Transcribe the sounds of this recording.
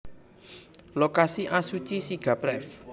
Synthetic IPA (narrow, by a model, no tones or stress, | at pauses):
lokasiʔasut͡ʃisiɡ̥a̤pɾɛf